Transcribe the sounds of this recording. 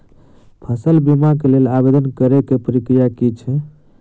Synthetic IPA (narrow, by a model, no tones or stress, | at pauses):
pʰəsəlbimakelelabed̪ənkəɾekepəɾikɾijakit͡ʃʰɛ